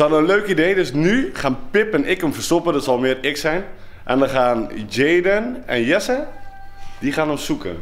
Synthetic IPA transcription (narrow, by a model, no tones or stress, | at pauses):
ɔnənløːkideːdøsnyχaːnpɪpɛnʔɪkəmfərsopədɔtsɔlˠmɪərɪksɛjn | ʔɛ̰ndəxaːnd͡ʒeːdənɛ̰njɛsə | diχaːnəmsukə̰n